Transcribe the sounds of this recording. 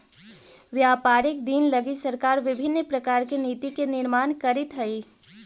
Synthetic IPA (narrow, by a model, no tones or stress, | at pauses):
ʋjaːpaːɾɪk̚d̪inlɐɡisɐɾkaːɾʋɪbʱɪnːpɾɐkaːɾkeniːt̪ikenɪɾmaːnkɐɾɪt̪ɦɐiː